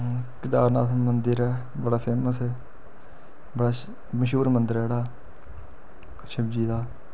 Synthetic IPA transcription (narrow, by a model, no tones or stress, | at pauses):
kɪd̪aːɾna̰ːmənd̪əɾɛː | bəɽaːpʰeːməsɛː | bəɽaː | məʃuːɾmənd̪əɾɛːɽaː | ʃəbd͡ʒiːd̪aː